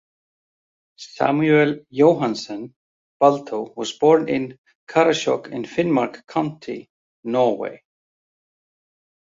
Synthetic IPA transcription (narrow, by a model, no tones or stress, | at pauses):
sa̰myɛljoːwɦansɛn | palt̪ʰowwɔspɔɾnɪn | kʰaɾaɕɔ̰kɪ̰nfɪnmaɾkʰːawn̥t̪ʰɪ̰ | nɔɾwḛj